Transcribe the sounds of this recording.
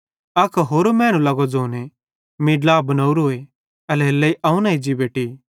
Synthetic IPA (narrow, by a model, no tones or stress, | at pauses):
ɐkʰɦoːɾomɛ̃ːñũlɐɡod͡zoːne | miɖlaːbɐnɐːuɾɦoːe | ɐlɛlːɐiʔɐũnaːid͡ʒibeːʈi